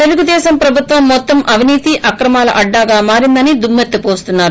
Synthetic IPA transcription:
t̪e̞luɡud̪ɛːʃɐmpɾɐbʱut̪ʋɐmːɔt̪ːɐmʔɐʋʱiniːt̪iʔɐkɾɐmaːlɐ̰ʔɐɖːaːɡaːmaːɾind̪ɐnid̪umːet̪ːɐpo̞ːst̪unːaːɾu

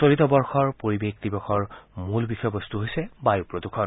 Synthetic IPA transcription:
solitɔbɔɹxɔɹpoɹibekdibɔxɔɹmulbixʰɔjɔbɔst̪uɦojsɛbajupɹodukʰɔn

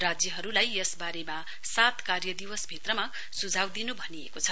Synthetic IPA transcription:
rad͡zjʌɦʌɾulajesbaɾema | sat̪karjʌd̪iwʌsbʱit̪rʌma | sud͡zʱawd̪inubʱʌniḛkot͡sʰʌ

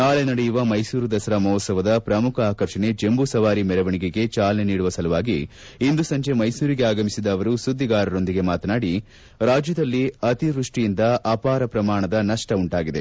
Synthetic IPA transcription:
naːɭenɐɽejuʋɐmɐjsuːɾud̪ɐsɐɾɐmɔːt̪sɐʋɐd̪ɐpɾɐmukʰɐaːkɐɾʂɐne̞d͡ʒembusɐʋaːɾimɛɾɐʋɐɳiɡeɡe̞t͡ʃaːlɐneniːɽuʋɐsɐlɐʋaːɡi | ind̪usɐɲt͡ʃe̞mɐjsuːɾiɡe̞aːɡɐmisid̪ɐːʋɐɾusud̪ʱːiɡaːɾɐɾo̞nd̪iɡe̞maːt̪ɐnaːɽi | ɾaːd͡ʒjɐd̪ɐlːiɐt̪iɾuʂʈijind̪ɐʔɐpaːɾɐpɾɐmaːɳɐd̪ɐnɐʂʈɐuɳʈaːɡid̪e̞

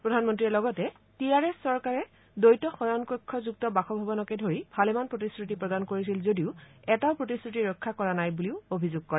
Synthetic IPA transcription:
pɹodʱanmɔntɹiɛlɔɡɔtɛ | tiaɹɛsːɔɹkaɹɛ | dojtɔxɔjɔnkɔkʰːɔzuktɔbaxɔbʱabɔnɔkedʱoɹibʱalɛmanpɹotiskɹutipɹɔdankoɹis̬ilzodiʊɛtaʊpɹotiskɹutiɹɔkʰːakɔɹanajbuliʊobʱizʊɡ̚kɔɹɛ

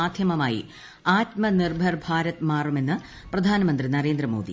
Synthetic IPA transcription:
aːd̪ʱjɐmɐmaːjḭ | aːtmɐnirbʱɐrbʱaːɾɐt̪ːmaːrume̞nːɨ | prɐd̪ʱaːnɐmɐnd̪rinɐɾe̞ːnd̪ɾɐmo̞̰ːd̪ḭ

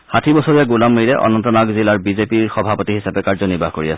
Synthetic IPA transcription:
xatʰibɔsɔɹijaɡulamːijɹɛʔɔ̰nɔntɔnaɡzilaɹbizepiɹxɔbʱapɔtiɦisapɛkaɹzɔniɹbʱahkoɹia̰sɛ̥

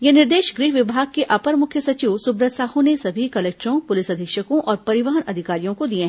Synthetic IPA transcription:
jenɪɾd̪eːʃɡɾiːɦʋɪbʱaːɡ̚keʔɐpəɾmʊkʰjəsɐt͡ʃiːʋsʊbɾəsaːɦõnesɐbʱikɐleːk̚ʈɾõpʊlɪsɐd̪ʱɪkʃəkõʔɔːɾpɐɾɪʋəɦənɐd̪ʱɪkaːɾijõkod̪iẽɦɛ̃

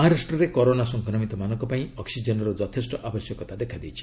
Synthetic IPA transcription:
ɦaɾasʈrɔɾekɔɾonasɔŋkʰnɔmit̪ɔmanɔŋkɔpaĩɔksid͡ʒɔnɔɾɔd͡ʒɔt̪ʰesʈɔʔabʌsjɔkɔt̪ad̪ekʰad̪ijt͡ʃʰi̥

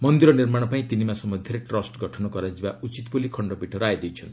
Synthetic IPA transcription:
mɔnd̪iɾɔniɾmaɽ̃ɔpaĩt̪inimasɔmɔd̪ʱjiɾeʈɾɔsʈɡɔʈʰɔnɔkɔɾad͡ʒibaut͡ʃit̪pulikʰɔɳɖɔpiʈʰɔɾajd̪ejt͡ʃʰʌn

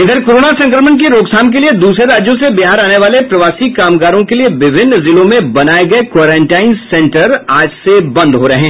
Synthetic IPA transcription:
ɪd̪əɾkoːɾoːnasɐ̃ŋkɾəmənkeɾoːksaːmk̬elied̪uːsɾeɾaːd͡ʒjõsebiɦaːɾaːneʋaːlepɾɐʋaːsikaːmɡaːɾõkelieʋɪbʱɪnːzɪlõmẽbɐnaːeɡɐekwaːɾãːɳʈaːɪnsɛ̃ɳʈəɾaːd͡ʒsebɐ̃nd̪ɦoɾɐɦɛ̃ː

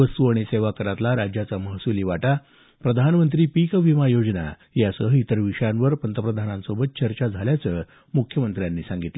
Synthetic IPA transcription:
əst̪uaɽ̃iseʋakəɾat̪laɾad͡ʑjat͡saməɦsuliːʋaʈa | pɾəd̪ʱanmənt̪ɾiːpikʋimajod͡zna̰ | jasəɦəit̪əɾʋiʂəjãnʋəɾpənt̪əpɾəd̪ʱanãnsobət̪̚t͡ɕəɾt͡ɕad͡zʱaljat͡səː | mukʰjəmənt̪ɾjanːiːsãŋɡit̪lə

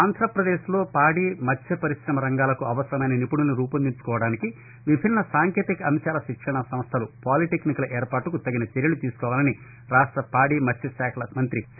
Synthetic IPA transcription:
aːnd̪ʱɾɐpɾɐd̪eːʃlo̞ːpaːɽiːmɐt͡ʃːʰɐpɐɾiʃɾɐmɐɾɐŋɡaːlɐkuɐʋɐsɾɐmɐjnɐnipuɽulnːiɾuːpɐnd̪iɲt͡ʃu̥kɔːʋɐɽaːniki | ʋibʱinːɐsaːŋkjeːt̪ikɐɐmʃaːlɐʃikʂɐɳɐsɐmst̪ʰɐlupaːliʈeknikɐlɐʔeːɾpaːʈukut̪ɐɡinɐt͡ʃeɾjɐlut̪iːsu̥kɔːʋaːlɐni | ɾaːʂʈɾɐpaːɽiːmɐt͡ʃːʰɐsɛːkʰɐlɐmɐnt̪ɾi

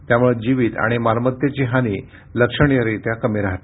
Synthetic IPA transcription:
t̪jamuɭed͡ʑiʋiːt̪a̰ɽ̃imaɾmət̪jet͡ɕiːɦaniː | ləkʂəɳ̃ijəɾit̪jakəmiɾaɦt̪e

